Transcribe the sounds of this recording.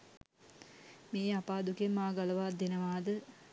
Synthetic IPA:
meːapaːd̪ukemaːɡaləʋaːd̪enəʋaːd̪ə

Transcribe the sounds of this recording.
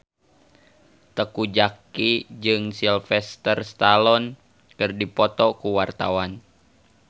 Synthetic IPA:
t̪əkud͡ʒakid͡ʒɨŋsilfɛst̪ərst̪alɔn | kɨrdipɔt̪ɔkuwart̪a̰wan

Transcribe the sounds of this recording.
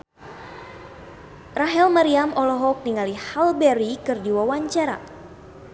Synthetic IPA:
raɦɛlmaɾiamɔlɔɦɔk̚niŋalihalbɛɾikɨrdiwawaɲt͡ʃaɾa̰

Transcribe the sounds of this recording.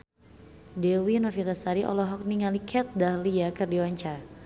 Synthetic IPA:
dɛwinɔfit̪asaɾiʔɔ̰lɔɦɔk̚niŋalikʰɛt̪̚dahliakɨrdiwaɲt͡ʃar

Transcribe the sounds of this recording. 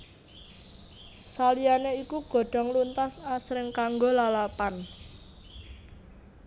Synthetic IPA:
salianeikuɡ̥o̤ɖ̥ɔ̤ŋlunt̪asasɾɪŋkaŋɡolalapan

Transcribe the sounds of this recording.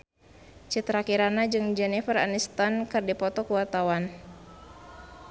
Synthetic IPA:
t͡ʃit̪ɾakiɾanad͡ʒɨŋd͡ʒɛnifəra̰nist̪ankɨrdipɔt̪ɔkuwart̪awan

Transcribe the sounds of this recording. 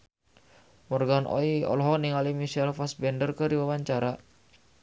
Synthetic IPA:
mɔrɡanʔɔ̰iɔ̰lɔɦɔniŋalimiʃɛlfasbɛndərkəɾiwawaɲt͡ʃaɾa

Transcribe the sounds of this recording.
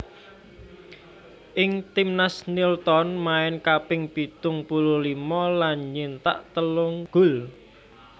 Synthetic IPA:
ʔɪŋt̪imnasnilt̪ɔnmaɪnkapɪŋpit̪ʊŋpululimɔlanɲint̪a̰ʔt̪əlʊŋɡ̥ʊ̤l

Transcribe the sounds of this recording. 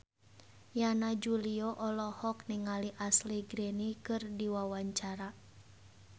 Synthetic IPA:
janad͡ʒuliɔʔɔlɔhɔk̚niŋaliʔasliɡɾenikɨrdiwawaɲt͡ʃaɾa

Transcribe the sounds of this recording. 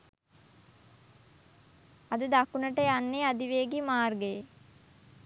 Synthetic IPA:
ad̪əd̪akunəʈəjanːead̪iʋeːɡimaːrɡej

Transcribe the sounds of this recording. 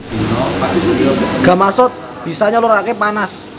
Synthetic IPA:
ɡ̥a̤masɔt̪̚ | b̥i̤saɲaluɾakepanas

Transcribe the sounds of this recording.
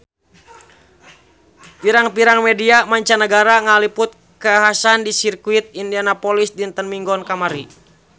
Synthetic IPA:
piɾaŋpiɾaŋmɛdiamaɲt͡ʃanəɡaɾaŋalipʊt̪̚ | kəaɦasandisirkuit̪̚indianapɔlisdint̪ənmiŋɡɔnkamaɾi

